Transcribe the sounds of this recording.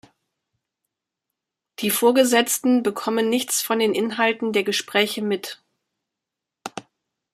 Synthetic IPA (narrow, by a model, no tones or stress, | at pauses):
d̥iːfoːɐɡəzɛt͡stn̩bəkʰɔmənːɪçt͡sfɔndeːnʔɪnɦaltn̩deːɐɡəʃpʁ̥ɛːçəmɪt